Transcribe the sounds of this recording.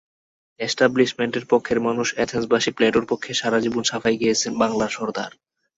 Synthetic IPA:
esʈabliʃmeɳʈeɾpokʰːeɾmanuʃɛt̪ʰensbaʃipleʈoɾpokʰːeʃaɾad͡ʑibonʃafajɡijet͡ɕʰenbaŋlaɾʃɔɾd̪a̰ɾ

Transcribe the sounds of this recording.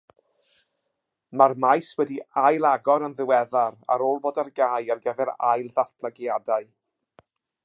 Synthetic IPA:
marmajswɛdiajlˠaɡɔɾənðɪwɛðaɾa̰ɾoːlˠboːdarɡajarɡɛðɛɾa̰jlˠðaθpʰlˠaɡjadaɨ

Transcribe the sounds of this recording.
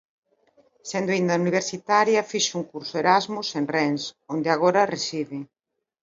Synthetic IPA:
send̪oaind̪ɐuniβ̞eɾsit̪aɾjɐfiʃʊuŋkuɾsʊeɾazmusenrɛnsond̪eaɣoɾɐresiðɪ

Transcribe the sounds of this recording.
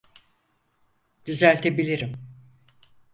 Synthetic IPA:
d̪̥yzælʲt̪ʰebilʲiɾim

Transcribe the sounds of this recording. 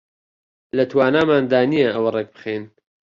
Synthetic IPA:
lɐt̪ʰwaːnaːmaːnd̪aːnijɐɐwɐrek̚bɨ̥χeːn

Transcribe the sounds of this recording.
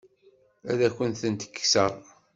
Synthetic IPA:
æ̰ðækʷənθənt̪ə̥kːsəʁˤ

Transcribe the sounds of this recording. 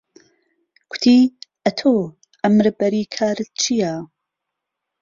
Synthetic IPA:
kʷʰʊ̥t̪ʰiːʔɐt̪ʰoː | ʔɐmɾbɐɾiːkʰaːɾɨt̪̚t͡ʃʰija

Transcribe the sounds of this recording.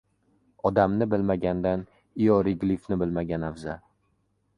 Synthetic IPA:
ɒd̪amnɪbɪlmaɡʲand̪an | ɪjɒɾɪɡʲlifnɪbɪlmaɡʲanavza

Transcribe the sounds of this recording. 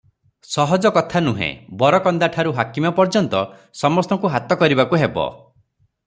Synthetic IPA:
sɔɦɔd͡ʒɔkɔt̪ʰanuɦḛ̃bɔɾɔkɔnd̪aʈʰaɾuɦakimɔpɔɾd͡ʒɔnt̪ɔ | sɔmɔst̪ɔŋkuɦat̪ɔkɔɾibakuɦebɔ̰

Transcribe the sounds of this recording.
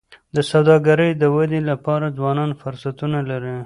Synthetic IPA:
d̪əsawd̪ɑɡaɾəjd̪əwad̪elapɑɾad͡zwɑnɑnfʊɾsat̪unalaɾi

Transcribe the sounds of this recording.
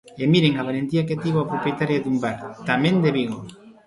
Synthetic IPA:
emiɾeŋaβalent̪iak̬et̪iβoapɾopjet̪aɾjad̪umbaɾt̪amẽnd̪eβiɣo

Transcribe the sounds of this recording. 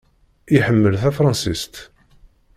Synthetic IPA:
iħəmːəlθæfɾˤɑnsist̪

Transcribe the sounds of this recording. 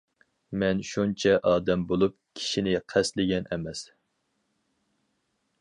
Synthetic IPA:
mɛnʃunt͡ʃʰɛʔɑːd̪ɛmbolˠup̚ | kʲʰi̥ʃinɪqʰæslɪɡʲɛnʔɛmɛs

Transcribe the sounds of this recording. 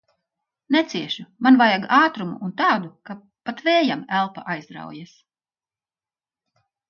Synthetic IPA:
nɛt̪siɛʃumanvajaɡaːt̪ɾumṵʔːnt̪aːd̪uka | pat̪vɛːjamælˠpa̰ʔajzd̪ɾa̰wjas

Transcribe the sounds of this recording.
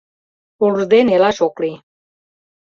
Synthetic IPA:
uld̪enelɑʃokli

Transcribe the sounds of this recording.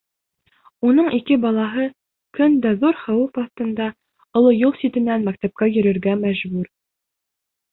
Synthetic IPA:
unɤɴʔikɘbɑlˠɑɦɤ | kɵnd̪æðuɾχæwufɑθt̪ɤ̆nd̪ɑ | ŏlˠɤjulˠsit̪ɘ̆nːænmækt̪æp̚kæjɵ̆ɾɘ̆ɾɡæmæʑbʉɾ

